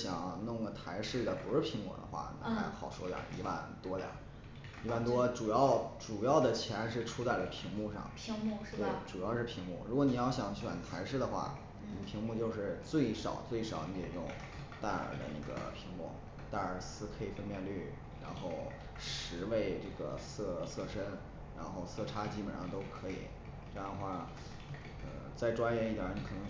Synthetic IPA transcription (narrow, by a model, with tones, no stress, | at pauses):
ɕjɑ˨˩ŋnʊ˥˩ŋɡə˩t̪ʰa˧˥ɪʂɻ̩˥˩d̪ə˨˩pu˧˥ʂɻ̩˥˩pʰi˧˥ŋmɔ̰˨˩d̪ə̰˦xwa̰˥˩na̰˧˥xa˧˥ɪ˩xɑ˨˩ʊʂwɔ̰˥ljɑ̰˨˩ḭ˧˥wa̰˥˩nt̪wɔ˥ljɑ̰˨˩˦ | i˧˥wa˥˩nt̪wɔ˥ʈ͡ʂu˨˩jɑ˥˩ʊʈ͡ʂu˨˩jɑ˥˩ʊd̪ə˩t͡ɕʰjɛ˧˥nʂɻ̩˥˩ʈ͡ʂʰu˥t͡sa˥˩ɪlə˩pʰi˧˥ŋmu˥˧ʂɑ̰˥˩ŋ˥˧we˥˩ɪʈ͡ʂu˨˩jɑ˥˧ʊʂɻ̩˥˩pʰi˧˥ŋmu˥˩ɻu˧˥kwɔ˧ni˨˩jɑ˥˩ʊɕ̬jɑ˨˩˦ŋt͡ɕɥɛ̰˨˩nt̪ʰa˧˥ɪʂɻ̩˥˩d̪ə˩xwa̰˥˩ | ni˨˩pʰi˧˥ŋmu˥˧t͡ɕjo˥˧ʊʂɻ̩˥˧t͡swe˥˩ɪʂɑ̰˨˩ʊt͡swe˥˩ɪʂɑ˨˩ʊni˧˥jo˨˩˦jʊ˥˧˥ŋ | t̪a˥˩ə̰˞˨˩˥d̪ə̰˧na̰˥˩ɡə̰˩pʰi˧˥ŋlʊ̰˥˩ŋ | t̪a˥˩ə˞˨˩sɹ̩˥kʰɤ˧˥i˨˩fə˥npjɛ˥˧nly˥˩ | ɻa̰˧˥nxo˥˧˩ʊ | ʂɻ̩˧˥we˥˧ɪʈ͡ʂɤ˥˩ɡə̰˩sɤ˥˧sɤ˥˧ʂə˥n | ɻa̰˧˥nxo˥˧ʊsɤ˥˩ʈ͡ʂʰa˥t͡ɕi˥pə˨˩˥t̪o˥ʊkʰɤ˧˥ḭ˨˩˦ | ʈ͡ʂɤ˥˧ɑ˥˩ə˧xwa˥˩ | ə̰˧t͡sa˥˩ɪʈ͡ʂwa˥njɛ˧˥ni˥˩ja̰˨˩ə˧˥n˥˩kʰɤ˨˩nɤ˧˥ŋ